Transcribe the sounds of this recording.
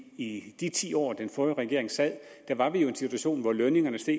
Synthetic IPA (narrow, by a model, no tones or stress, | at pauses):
id̥it͡sʰḭːɒ̰ːd̥enfœːɐʁɛɡ̥e̝ɐ̰e̝ŋsɛð̰ˠ | d̥æɐʋɑ̈ʋijo̝e̝nsit͡sʰuæɕo̝̰ːnʋɒløne̝ŋɐnəsd̥e̝̰